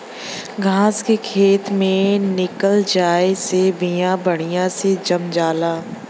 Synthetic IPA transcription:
ɡʱaːskekʰeːt̪mẽnɪkəld͡ʒaːesebijãbɐɽ̃ijãsed͡ʒɐmd͡ʒaːlaː

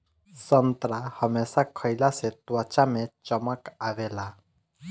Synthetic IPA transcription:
sənt̪ɾahəmesakʰəjlaset̪ʋat͡ɕamet͡ɕəmakaʋela

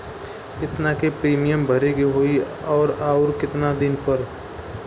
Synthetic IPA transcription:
ɪt̪nakepɾiːmijəmbʱɐɾeɡiɦoi | ɔːɾaːʊɾkɪt̪nad̪ɪnpəɾ

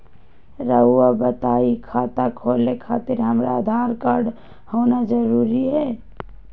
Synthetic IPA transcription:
ɾəabət̪aːikʰat̪akʰolekʰaːt̪ɪɾɦəmɾad̪ʱaːɾkaɾɖ | hoːnad͡ʒəɾuɾiɦɛː

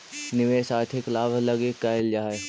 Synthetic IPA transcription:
nɪʋeːʃaːt̪ʰɪklaːbʱlɐɡekaːɪld͡ʒaːe

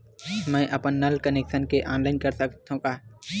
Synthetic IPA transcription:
mɛ̃ːʔɐpənːɐlkəneːkʃənkeʔãːnlaɪnkəɾsəkt̪ʰõkaː

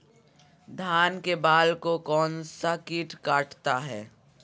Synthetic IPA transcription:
d̪ʱaːnkebaːlkokɔːnsakiːʈkaːʈt̪aɦɛː

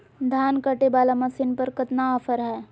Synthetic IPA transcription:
d̪ʱaːnkəʈebaːlamɐsɪnpɐɾkɐt̪naɔfəɾɦɛː

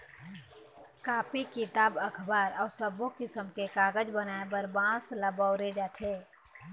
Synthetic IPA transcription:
kaːpikɪt̪aːbəkʰbaːɾɔːɾsəbokɪsəmkekaːɡəd͡ʒbənaːebəɾbãːsləbɔʊɾed͡ʒaːt̪ʰeː

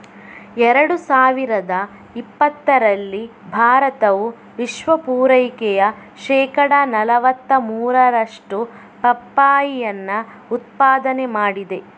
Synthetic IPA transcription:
ɛɾɐɽusaːʋiɾɐd̪ɐ | ipːɐt̪ːɐɾɐlːi | bʱaːɾɐt̪ɐʋu | ʋiʃʋɐpuːɾɐjkɛjɐ | ʃɛːkɐɽɐnɐlɐʋɐt̪ːɐmuːɾɐɾɐʂʈu | pɐpːaːjijɐnːɐ | ut̪̚paːd̪ɐnemaːɽid̪e̞

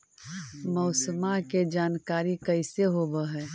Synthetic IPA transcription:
mɔːsəmaked͡ʒaːnkaːɾikəɪseɦobəɦɛː

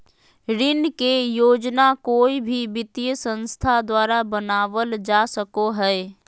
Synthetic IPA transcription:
ɾɪnkejoːd͡ʒnakoːibʱibɪt̪ijəsə̃nst̪ʰad̪waːɾabənaːʋəld͡ʒasəkoɦɛː

